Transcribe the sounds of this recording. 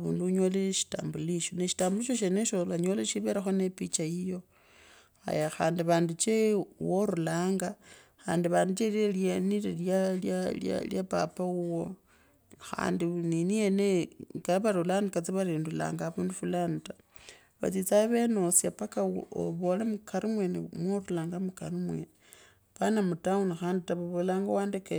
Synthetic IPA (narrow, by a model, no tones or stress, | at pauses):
βṵːnduuɲoleʃi̥ta̰ːmbuliʃoneʃitaːmbuliʃoʃ̬eneʃolaɲoleʃiβeɾaxonepit͡ʃajijo̞ | a̰jaxa̰ːndiβaːndut͡ʃewoɾulaːŋɡa | xa̰ːndiβaːndut͡ʃelieljanileljaljalja̰ljapa̰pauwo | xa̰ːndininienekaβaɾolanikat͡siβaɾiːndula̰ːŋɡaβuːndufulanta | βa̰t͡sit͡saβe̞no̞sjapakao̰βolamukaɾimwenḭmwoɾulaːŋɡamukaɾimwe | panamutaunaxaːnditaβaβolaːŋɡawaːndeke